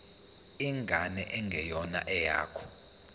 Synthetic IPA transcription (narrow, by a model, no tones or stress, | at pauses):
iŋɡʱanɛʔɛŋɡʱɛjɔna̰ʔɛja̰ːkʰɔ̥